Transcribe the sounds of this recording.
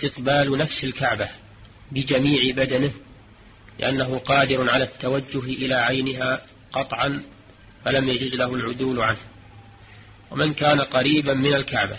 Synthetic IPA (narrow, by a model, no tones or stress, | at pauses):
st̪ɪqbaːlnafsɪlkaʕba | bɪd͡ʒamiːʕɪbad̪anɪh | lɪ̰ʔanːaɦʊqɑːd̪ɪɾʊnʕalaːt̪ːawad͡ʒːʊɦʔɪlaːʕajnɪɦaː | qɑt̪ˤʕɑn | falamjad͡ʒʊzlahʊlʕʊd̪uːlʕanh | wa̰mɪnkaːnaqɑɾiːbammɪnalkaʕba̰